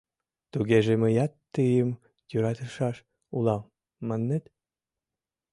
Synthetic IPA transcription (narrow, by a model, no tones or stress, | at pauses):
t̪uɣeʒeməjɑt̪ːəjəm | jøɾɑt̪əʃɑʃ | ulɑmː | ɑnːet̪